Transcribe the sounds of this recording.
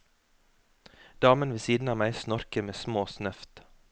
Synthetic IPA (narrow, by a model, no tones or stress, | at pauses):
d̪̥ɑːmənʋeːsiːd̪n̩ɑːmæɪsnɔɾkəɾmeːsmoːsnœft̪